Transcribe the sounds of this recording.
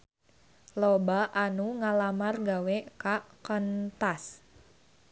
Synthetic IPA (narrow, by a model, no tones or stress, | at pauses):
lobaʔanuŋalamarɡawekakənt̪as